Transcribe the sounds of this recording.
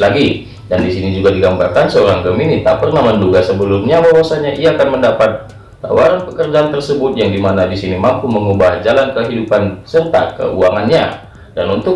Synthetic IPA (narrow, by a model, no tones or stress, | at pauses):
laɡi | dandisinid͡ʒuɡadiɡambarkansəoɾaŋɡəminit̪apərnahmənduɡasəbəlumɲabawasaɲaʔiaːkanməndapat̪̚ | ka̰waɾanpəkərd͡ʒaːnt̪ərsəbʊt̪̚jaŋdimanadisinimampuməŋubahd͡ʒalankəɦidupansərt̪a̰t̪̚kə̰uaŋanɲa | danunt̪ʊ